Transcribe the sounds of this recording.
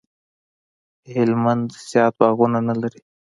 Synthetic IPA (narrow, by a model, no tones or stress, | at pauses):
helmand̪sjɑːt̪̚bɑɣunanalaɾi